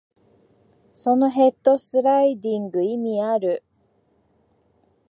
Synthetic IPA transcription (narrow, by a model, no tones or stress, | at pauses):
so̞no̞ɦe̞t̪ːo̞sɨɾaid̪ĩŋɡɯ̟imʲiaɾɯ̟